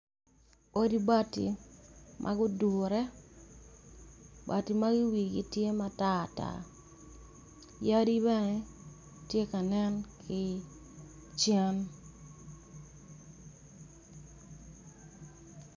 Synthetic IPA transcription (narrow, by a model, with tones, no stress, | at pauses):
o˦di˦ba˦tḭ˨mʔa̰˦ɡʊ˦dʊ˨ɾɛ˦ | ba̰˨ti˨ma˦ɡɪ˦wi˨ɡḭ˦tje˦ma˦ta˦a˨ta̰˨ | ja˦di˦bɛ˦nɛ˦ | tje˦ka˨nɛ˦nkʰɪ˦ | t͡ʃjɛ˦n